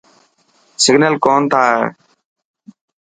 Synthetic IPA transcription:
sɪɡnəlkoːnt̪ʰaːɦḛː

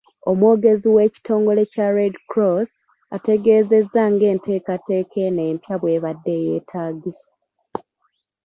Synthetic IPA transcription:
o̞mwoːɡe̞ziwe̞ːci̥tʰo̞ːŋɡo̞le̞caɾedkɾos | a̰te̞ɡe̞ːze̞zːaŋɡe̞ːnte̞ːkate̞ːkʰe̞ne̞ːmpjaβwe̞ːβadːe̞je̞ːtʰaːɡisḁ

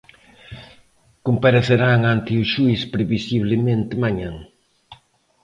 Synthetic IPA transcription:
kompaɾeθeɾaŋant̪ɪuʃujspɾeβisiβlemẽnt̪ɪmaɲãŋ

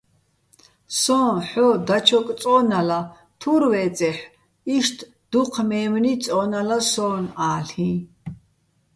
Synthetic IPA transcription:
sɔːnħɔd̪at͡ʃʰɔkʼt͡sʼɔːnala | t̪ʰuɾvɛːt͡sʼɛħ | iʃt̪ʰ | d̪̥uqʰmɛːmnit͡sʼɔːnalasɔːnaːɬĩ

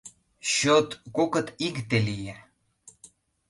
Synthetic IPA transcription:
ɕot̪kokə̆t̪ikt̪elijæ

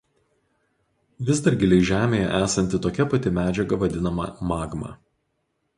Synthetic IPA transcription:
ʋʲɪzd̪ɐɾʲɡʲɪlʲɛɪʒʲæːmʲeːjɛ̰ʔæːsɐnʲt̪ʲɪt̪oːkʲɛpɐt̪ʲɪmʲæːd͡ʒʲɛɡɐʋɐd̪ʲɪnɐmɐ̰mɑːɡmɑ̰

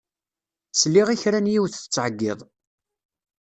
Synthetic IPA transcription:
slːiʁiçɾænjiwθθə̥t͡sːʕəɡːɪðˤ

